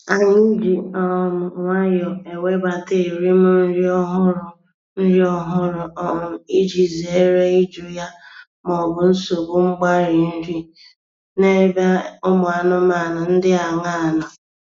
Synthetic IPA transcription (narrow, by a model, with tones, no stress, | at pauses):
a˨ɲi˦d͡ʒi˨ɔ˨mʊ˨ŋʷa˦jɔ˨e˨we˦ba˨te˦˨ɾi˦mʊ˦n̩˦ɾi˦ɔ˦ɦʊ˦ɾʊ˨ | n̩˦ɾi˦ɔ˦ɦʊ˦ɾʊ˨ɔ˨i˦d͡ʒi˨ze˨˦ɾe˦i˦d͡ʒu˦ja˦ | mɔ˨bʊ˨n̩˦so˨bʊ˦ŋ͡m̩˦ɡ͡ba˦ɾi˨n̩˦ɾi˦ | ne˦ba˦ʊ˦mʊ˨a˨nʊ˦m˦a˨na˨n̩˦dɪ˦a˨ŋa˦˨nʊ˨